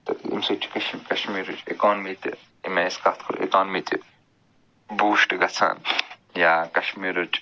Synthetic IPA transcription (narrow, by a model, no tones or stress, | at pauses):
t̪ɨḭmsut͡ʃʰi̥kɐʃmkɐʃmiːɾut͡ʃekoːnmit̪ɨ̰ | imeskɐt̪ʰkʰuɾʔḛkoːnmit̪i | buːʃʈɡɐt͡sʰa̰ːn | jaːkɐʃmiːɾut͡ʃ